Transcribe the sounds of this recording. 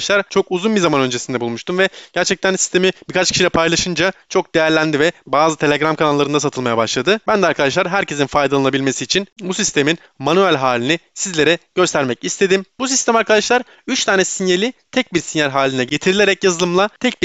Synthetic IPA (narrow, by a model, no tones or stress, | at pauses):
ʃlˠaɾt͡ʃʰo̞kuzunbizamanø̞nd͡ʒe̞sind̪ɛbulˠmuʃt̪umvɛɟ̥æɾt͡ʃʰɛc̚t̪ʰænsi̥st̪ʰe̞mib̥iɾkʰat͡ʃcʰiʃilʲɛpʰajlˠaʃɯnd͡ʒat͡ʃʰo̞k̚d̪e̞jæɾlʲænd̪ivɛbaːzɯt̪ʰe̞lʲeɡɾamkʰanalˠːaɾɯnasat̪ʰɯlˠmajabaʃlˠad̪ɯbænd̪ɛaɾkʰad̪aʃlˠaɾɦæɾcʰe̞szinfajd̪alˠanabilʲme̞siːt͡ʃʰinbusist̪ʰe̞min | manyælʲɦaːlʲinisizlʲe̞ɾɛɟ̥ø̞st̪ʰæɾmɛcist̪ʰe̞d̪imbusist̪æmaɾkʰad̪aʃlˠaɾ | yt͡ʃt̪ʰaːnɛsinjelʲit̪ʰɛc̚biɾsinjæɾɦaːlʲinɛɟe̞t̪ʰiɾilʲe̞ɾɛcjazɯlˠɯmlˠat̪ʰɛc̚bi